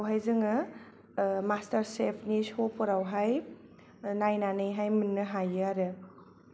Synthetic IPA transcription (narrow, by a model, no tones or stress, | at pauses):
awɦajzɯŋɯ | mastɐɾsepʰnisopɔɾawɦaj | najnanɯjɦajmɯnːɯɦajɯaɾɯ